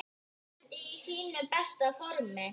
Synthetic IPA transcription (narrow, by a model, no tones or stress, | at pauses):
esinːpæst̪ɑforme